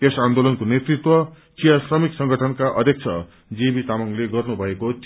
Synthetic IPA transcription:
t̪esand̪olʌnkonet̪rit̪wʌ | t͡sijasrʌmiksʌŋɡʱʌʈʰʌnkaʔʌd̪ʱjek̚t͡sʰʌ̰ | d͡zibit̪amʌŋleɡʌrnubʱʌekot͡s

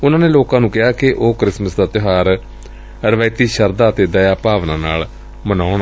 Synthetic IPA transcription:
ʊnãːneːloːkãːnũːkɪɦaːkɪʔoːkɾɪsməsd̪aːt̪ɪɦaːɾ | ɾəʋəːt̪iːʃəɾd̪aːt̪eːd̪əjaːpaːʋnãːna̰ːl | mənaːʊɳː

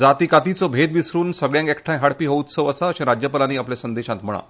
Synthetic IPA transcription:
d͡zat̪iːkat̪it͡sɔbʱed̪ʋisɾuːnsəɡɭjãŋkekʰʈʰãj̃ɦaɽpiːɦout̪t͡soəsaəɕẽɾad͡ʑjəpəlaniːaplesənd̪eɕãt̪m̤əɭ̃a̰

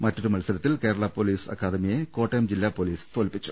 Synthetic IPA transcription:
mɐtːoɾumɐlsɐɾɐt̪ːilke̞ːɾɐɭapo̞ːliːsɐ̰kːaːd̪ɐmijekoːʈːɐjmd͡ʑilːaːpːoːliːst̪oːlpːit͡ɕːu̥

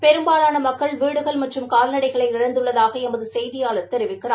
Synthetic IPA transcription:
pɛɾɯmbaːlaːnɐmɐkːɐɭʋiːɽɯɣɐɭmɐʈrɯmkaːɾnɐɽɐɪɣɐɭɐɪɪɻɐnd̪ɯɭːɐðaːɣɐɛmɐðɯsɛjðɪjaːlɐɾt̪ːɛɾɪʋɪkːɪraː

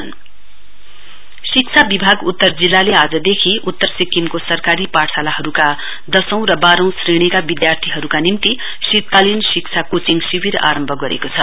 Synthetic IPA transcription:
n | sik̚t͡sʰabibʱaɡut̪ːʌrd͡zilːalead͡zʌd̪ekʰiut̪ːʌrsikːimkosʌrkaɾipasʰalahʌɾuka | d̪ʌsʌ̃w̃rʌbaɾʌ̃w̃sreɽ̃ikabid̪jart̪ʰiɦʌɾukanimt̪i | siɾt̪alinsikt͡sʰakot͡siŋɡsibiɾa̰ɾʌmbʱʌɡʌɾḛkot͡sʰʌ

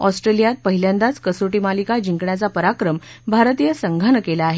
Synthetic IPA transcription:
ɔsʈɾelijat̪̚pəɦiljãnd̪at͡skəsoʈimalikad͡ʑiŋkɳjat͡sapəɾakɾəm | bʱaɾt̪ijəsəŋɡʱanəkelaːɦe

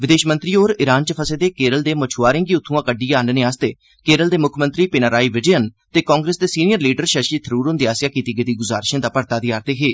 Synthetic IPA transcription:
ʋɪd̪eːʃmənt̪ɾiːoːɾɪɾaːnt͡ʃəpʰəseːd̪eːkeːɾəld̪eːmət͡ʃʰuaːɾɪ̃ːŋɡiːʊt̪ʰːũãːkəɖːijãːnnẽːaːst̪eː | keːɾəld̪eːmʊkʰmənt̪ɾiːpɪnaːɾaːiːʋɪd͡ʒijənt̪eːkɔ̃ːŋɡɾeːsd̪eːsiːnijəɾliːɖəɾʃəɾʃiːt̪ʰəɾuːɾõnd̪iaːsɪjaːkiːt̪iːɡɪt̪iːɡʊzaːɾʃãːd̪aːpəɾt̪aːd̪ɪjaːɾt̪eːɦeː

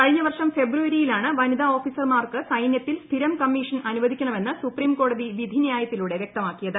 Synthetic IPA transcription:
kɐɻiɲːɐʋɐrʂɐmfe̞bruʋɐɾijilaːɳɨʋɐnid̪ɐo̞ːfiːsɐrmaːrkɨsɐjnjɐt̪ːilst̪ʰiɾɐmkɐmːiʂɐnɐnuʋɐd̪ʱikʲːɐɳɐme̞nːɨsupriːmko̞ːɽɐðiʋid̪ʱinijaːjɐt̪ːiluɽe̞ʋjk̚t̪ɐmaːkːijɐðɨ

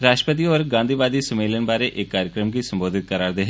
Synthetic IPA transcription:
ɾaːʃʈəpət̪̬iəɾɡãːnd̪ʱiːʋaːd̪iːsəmeːlənbaːɾeʔeːkːaːɾjəkɾəmkisəmboːd̪ʱɪt̪̚kəɾaːɾd̪eɦe

